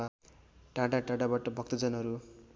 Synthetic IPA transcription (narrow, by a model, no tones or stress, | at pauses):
a | ʈaɽaʈaɽabaʈʌbʱʌk̚t̪ʌd͡zʌnʌɾu